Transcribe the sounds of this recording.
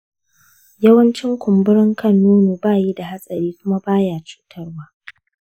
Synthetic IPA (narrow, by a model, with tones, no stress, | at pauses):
jɐ˦wɐ˦nt͡ʃɪ˦ŋkʷʊ˨mbɪ˦ɽɪ˦ŋkɐ˦˨nːuː˦nuː˨baː˦˨ji˦da˨ha˦sʼɐ˨ɾiː˦kʷʊ˦ma˦baː˦jaː˦˨t͡ʃu̥ː˦tʰɐ˦rwaː˦